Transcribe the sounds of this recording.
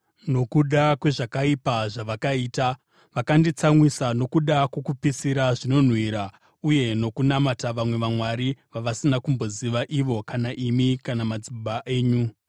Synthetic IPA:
no̞kuɗakwe̞ʐakaipaʐaʋakaiːta | ʋakandit͡samwisano̞kuɗakwokupisiɾaʐino̞n̤wiːɾa | uje̞no̞kunamataʋamwe̞ʋamwaɾiʋaʋasinakumbo̞ziʋaʔiʋo̞kanaʔimikanamad͡zibaʔe̞ːɲu

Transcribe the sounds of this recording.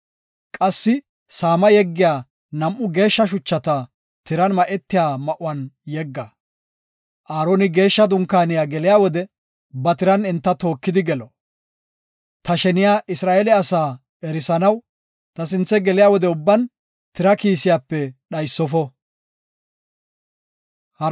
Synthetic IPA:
kʼɐsːɪ | saːmɐjɛɡːɪjaː | nɐmʔːʊɡe̞ːʃːɐʃ̬ʊt͡ʃːɐt̪ɐ | t̪ɪɾɐnmɐʔɛt̪ːɪjaːmɐʔʊwɐnjɛɡːɐ | ʔaːɾoːnɪɡe̞ːʃːɐd̪ʊŋkːaːnɪjaːɡɛlɪjaːwɔd̪ɛ | bɐt̪ɪɾɐnɪnt̪ːɐt̪o̞ːkːɪd̪ɪɡɛlɔ | t̪ɐʃɛnɪjaːʔɪsɾaːʔɛlɛɐsaː | ɛɾɪsɐnɐw | t̪ɐsɪnt͡sːɛɡɛlɪjaːwɔd̪ɛʊbːɐn | t̪ɪɾɐkiːsɪjaːpːɛɗɐjsːɔfɔ | h

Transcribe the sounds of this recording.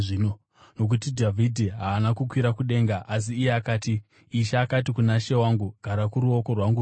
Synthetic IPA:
ino | no̞k̬utidʱavʱidʱiɦaːnakukwiɾakuɗe̞ːŋɡaʔas̬iːjeakaːtiː | ʃaːkatikunaʃe̞waːŋɡuɡ̥ʱaɾakuɾuo̞ko̞rwaŋɡu

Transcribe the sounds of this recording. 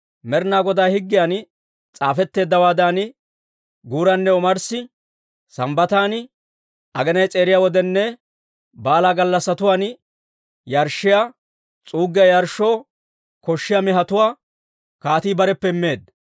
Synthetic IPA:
mɛɾnaːɡɔd̪aːhɪɡːɪjaːn | t͡sʼaːfɛt̪ːe̞ːd̪ːɐwaːd̪an | ɡuːɾɐnːɛɔmɐɾsɪ | sɐmbɐt̪aːn | ʔɐɡɛnɐjt͡sʼe̞ːɾɪjaːwɔd̪ɛnːɛ | baːlaːɡɐlːɐsːɐt̪ʊwaːn | jɐɾʃːɪjaː | t͡sʼuːɡːɪjɐjɐɾʃo̞ː | kɔʃːɪjamɛɦɐt̪ʊwaː | kaːt̪iːbɐɾɛpːɛɪmːe̞ːd̪

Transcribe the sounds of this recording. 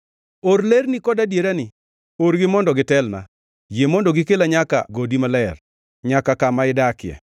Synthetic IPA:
oɾlernikɔdadjeɾanɪ | oɾɡɪmɔndɔɡɪtɛlna̰ | jemɔndɔɡɪkelaɲaka̰ɡodimalɛr | ɲakakamaɪdakɪɛ̰

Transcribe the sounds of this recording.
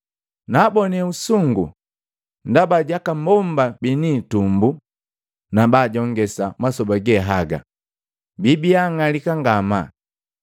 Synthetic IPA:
naːbɔnɛusuŋɡṵ | ndabaɟakambɔm̩babiniːtumbu | nabaːɟɔŋɡɛsamasɔbaɡɛɦaɡa̰ | bibiaŋalikaŋɡama̰

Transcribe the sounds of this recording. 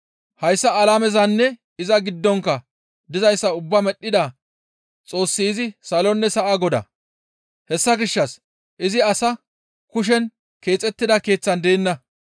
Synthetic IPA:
hɐjsːɐːlaːmɛzɐnːɛ | ɪzɐɡɪd̪ːɔŋkːɐ | d̪ɪzɐjsːɐʊbːɐmɛɗːɪd̪ɐ | t͡sʼo̞ːsːiːzɪsɐlɔnːɛsɐʔaɡɔd̪ɐ̰ | hɛsːɐɡɪʃːɐs | ʔɪzɪɐsɐ | kʊʃ̬ɛn | ke̞ːt͡sʼɛt̪ːɪd̪ɐke̞ːt͡sːɐnd̪e̞ːnːɐ

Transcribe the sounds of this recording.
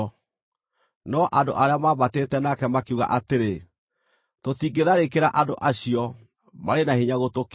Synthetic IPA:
nɔʔando̰ʔaɾeamaːβatetɛnakɛmakeuɣa̰ʔateɾe | totiːɡeðaɾekeɾaʔado̰ʔaɕiɔ | maɾenahiɲaɣotok

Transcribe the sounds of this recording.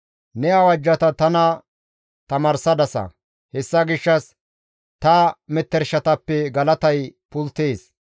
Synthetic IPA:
nɛɐwɐd͡ʒːɐt̪ɐt̪ɐnɐ | t̪ɐmaːɾsɐd̪ɐsɐ̰ | hɛsːɐɡɪʃːɐs | t̪ɐmɛt̪ːɛɾʃɐt̪ɐpːɛɡɐlɐt̪ɐjpʊlt̪eːs

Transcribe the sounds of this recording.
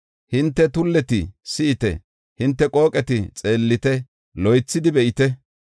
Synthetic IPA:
hɪnt̪ːɛt̪ʊlːɛt̪ɪsɪʔɪt̪ɛ̰ | hɪnt̪ːɛkʼo̞ːkʼɛt̪ɪt͡sʼe̞ːlːɪt̪ɛ | lɔjt͡sːɪd̪ɪbɛʔɪt̪ɛ

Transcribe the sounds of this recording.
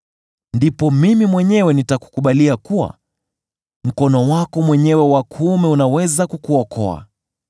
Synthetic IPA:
ndipɔmimimwɛɲɛwɛnitaku̥kuɓaliakuwa̰ | m̩kɔnɔwakɔmwɛɲɛwɛwakʰumɛunawɛzakukuɔkʰɔa̰

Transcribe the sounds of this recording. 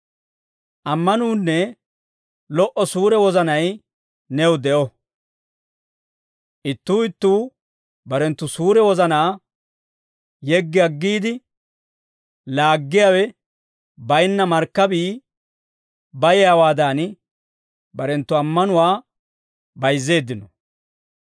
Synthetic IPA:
ʔɐmːɐnuːnːɛ | lɔʔɔsuːɾɛwɔzɐnɐj | nɛwd̪ɛʔɔ | ʔɪt̪ːuːɪt̪ːuː | bɐɾɛnt̪ːʊsuːɾɛwɔzɐnaː | jɛɡːɪɐɡːiːd̪ɪ | laːɡːɪjawɛ | bɐjnːɐmɐɾkːɐbiː | bɐjɛjawaːd̪aːn | bɐɾɛnt̪ːʊɐmːɐnʊwaː | bɐjzːe̞ːd̪ːɪnɔ

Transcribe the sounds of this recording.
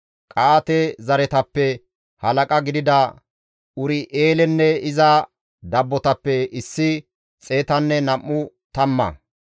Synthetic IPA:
kʼaːt̪ɛzɐɾɛt̪ɐpːɛ | hɐlɐkʼɐɡɪd̪ɪd̪ɐ | ʊɾɪʔeːlɛnːɛɪzɐ | d̪ɐbːɔt̪ɐpːɛɪsːɪ | t͡sʼe̞ːt̪ɐnːɛnɐmːʊ | t̪ɐmːɐ̰

